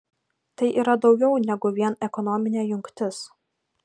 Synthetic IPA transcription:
t̪ɐɪʔiːɾɐd̪ɒʊɡʲɛʊnʲɛɡʊʋʲiɛnɛkɔnɔmʲɪnʲeːjʊŋʲkt̪ʲɪs

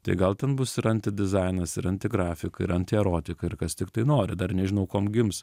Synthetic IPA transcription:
t̪ɐ̰ɪɡɐlˠt̪ʲɛnbʊsɪɾɐnʲt̪ʲɪd̪ʲɪzɐɪnɐsɪɾɐnʲt̪ʲɪɡɾɑːfʲɪkɐɪ̰ɾɐnʲt̪ʲɪɛɾoːt̪ʲɪkɐɪɾkɐst̪ʲɪkt̪ɐɪnoːɾʲɪd̪ɐrnʲɛʒʲɪnɐʊkoːmɡʲɪms

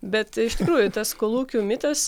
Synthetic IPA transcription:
bʲɛt̪ɪʃʲt̪ʲɪkɾuːjʊt̪ɐskoːlˠuːkʲuːmʲɪt̪ɐs

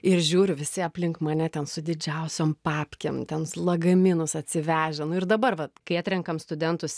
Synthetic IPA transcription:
ɪrʒʲuːɾʲʊʋʲɪsʲɪɐpʲlʲɪŋkmɐnʲɛt̪ʲɛnsʊd̪ʲɪd͡ʒʲɛʊsʲoːmpɑːpʲkʲḛmt̪ʲɛnslˠɐɡɐmʲɪnʊsɐt̪ʲsʲɪʋʲæːʒʲɛnʊɪrd̪ɐbɐrʋɐkɐɪɑːt̪ʲɾʲɛŋkɐmst̪ʊd̪ʲɛnt̪ʊs

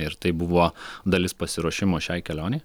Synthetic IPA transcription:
ɪɾt̪ɐɪbʊʋoːd̪ɐlʲɪspɐsʲɪɾuɔʃʲɪmoːʃʲɛɪkʲɛlʲoːnʲɛɪ

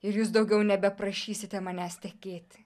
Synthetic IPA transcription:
ɪɾjuːsd̪ɒʊɡʲɛʊnʲɛbʲɛpɾɐʃʲiːsʲɪt̪ʲɛmɐnʲæːst̪ʲɛkʲeːt̪ʲ

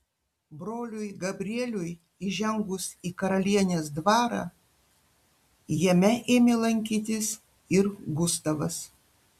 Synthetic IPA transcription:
bɾoːlʲʊjɡɐbʲɾʲiɛlʲʊj | iʒʲɛŋɡʊsiːkɐɾɐlʲiɛnʲeːsd̪ʋɑːɾɑ̰ː | jɛmʲɛʔeːmʲeːlˠɐŋʲkʲiːt̪ʲɪs | ɪɾɡʊst̪ɐʋɐs

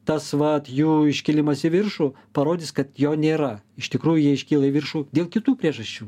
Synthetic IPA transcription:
t̪ɐsʋɐt̪juːɪʃʲkʲɪlʲɪmɐsʲɪʋʲɪrʃuː | pɐɾoːd̪ʲɪskɐt̪joːnʲeːɾɐɪʃt̪ʲɪkɾuːjʊjiɛɪʃʲkʲiːlˠɐʋʲɪrʃuːd̪ʲeːlˠkʲɪt̪uːpʲɾʲiɛʒɐsʲt͡ʃʲuː

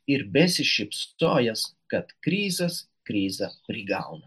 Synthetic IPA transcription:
iɾbʲɛsʲɪʃipsɔːjaskat̪kɾiːzɐs | kɾiːzɐpɾʲiɡa̰wnɐ

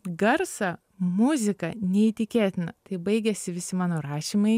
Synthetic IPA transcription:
ɡɐɾsɐ | mʊzʲɪkɐnʲɛit̪ʲɪkʲeːt̪ʲɪnɐ̰t̪ɐɪbɐɪɡʲɛsʲɪʋʲɪsʲɪmɑːnoːɾɑːʃʲiːmɐɪ

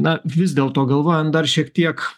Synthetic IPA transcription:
nɐʋʲɪzdʲeːlˠt̪oːɡɐlˠʋoːjɛnd̪ɐrʃʲiɛkt̪ʲiɛk

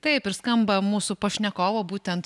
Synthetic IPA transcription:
t̪ɐɪpɪɾskɐmbɐmuːsʊpɐʃʲnʲɛkoːʋoːbuːt̪ʲɛnt̪

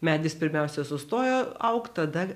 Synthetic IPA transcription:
mʲæːd̪ʲɪspʲɪɾʲmʲɛʊsʲɛsʊst̪oːjoːɐʊkt̪ɐd̪ɐ

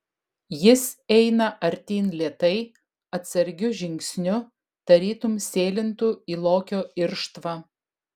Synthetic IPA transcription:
jɪsɛɪnɐʔɐɾʲt̪ʲiːnlʲeːt̪ɐɪ | ɐt̪ʲsɐɾʲɡʲʊʒʲɪŋʲksʲnʲʊ | d̪̥ɐɾʲiːt̪ʊmsʲeːlʲɪnt̪uːiːlˠoːkʲoːɪɾʃt̪ʋɑ

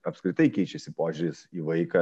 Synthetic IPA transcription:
ɐpskɾʲɪt̪ɐɪkʲɛɪt͡ʃʲɛsʲɪpoːʒʲʊɾʲɪsiːʋɐɪkɐ

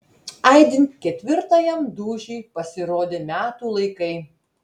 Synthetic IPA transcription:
ɐɪd̪ʲɪnʲt̪ʲkʲɛt̪ʲʋʲɪɾt̪ɐjɛmd̪uːʒʲɛɪpɐsʲɪɾoːd̪ʲemʲæːt̪uːlˠɐɪkɐɪ

